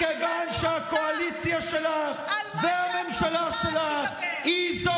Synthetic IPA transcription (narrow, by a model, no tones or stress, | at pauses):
evanʃeakoalit͡sjaʃelaχveamemʃalaʃelaχhizo